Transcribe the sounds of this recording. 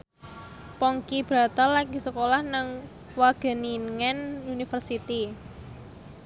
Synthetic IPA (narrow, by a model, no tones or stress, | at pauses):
pɔŋkib̥ɾa̤t̪alaɡi̤səkolahnəŋ | waɡ̥ə̤niŋɛnunifərsit̪i